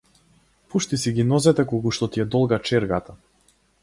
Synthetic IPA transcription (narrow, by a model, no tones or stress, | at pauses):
puʃt̪isiɡinɔzɛt̪ɛkɔɡuʃt̪ɔt̪iɛd̪ɔlˠɡat͡ʃɛɾɡat̪a